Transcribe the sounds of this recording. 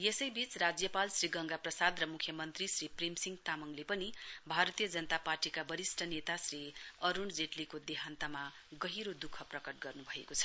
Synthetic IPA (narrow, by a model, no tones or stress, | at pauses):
jesʌjbit͡srad͡zjʌpalsriɡʌŋɡaprʌsad̪rʌmukʰjʌmʌnt̪risriprimsiŋɡt̪amʌŋlepʌnibʱaɾʌt̪ijʌd͡zʌnʌt̪aparʈikabʌɾisʈʰʌnet̪asriʌɾund͡zeʈlikod̪eɦant̪amaɡʌɦiɾod̪ukʰʌprʌkʌʈ̚ɡʌrnubʱʌekot͡sʰʌ̥